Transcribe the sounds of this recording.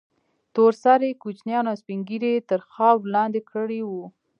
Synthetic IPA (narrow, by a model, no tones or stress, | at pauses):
t̪oɾsaɾekut͡ʃnjɑnaspiŋɡiɾet̪əɾxɑwlɑnd̪ekəɽiwu